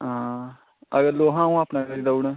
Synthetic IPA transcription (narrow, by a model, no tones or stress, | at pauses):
ɦã | əɡəloːɦãːũːaːpnãːɡəɾiːd̪aːunaː